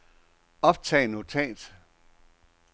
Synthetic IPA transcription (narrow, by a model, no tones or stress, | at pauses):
ɒ̽b̥t͡sʰɛ̰ːnot͡sʰɛ̰ːd̥